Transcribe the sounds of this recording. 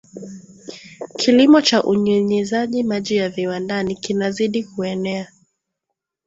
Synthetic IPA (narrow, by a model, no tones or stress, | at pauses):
kʰilimɔt͡ʃaʔuɲɛɲizaʄimaʄijaviwandanikinaziɗikuɛnɛa